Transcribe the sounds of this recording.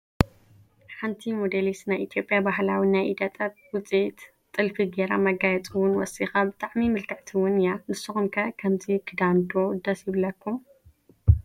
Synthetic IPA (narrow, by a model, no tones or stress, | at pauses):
ħant̪ʰimod̪elisnajʔit̪ʰjo̞pʼjabaɦlawinajʔid̪ɐt̪ʼɐt̪̚wʊt͡sʼit̪ | t̪ʼːɨlfiɡeɾamɐɡajɛt͡sʼɨwʊnwɔ̰sixabɨt̪ʼaʕmimɨlkʰɐʕt̪ʰiwʊnjanɨsːɨxumkʰɐkʰɐmzikʰɨd̪and̪ʼod̪ɐsjɪβlɐkʰːum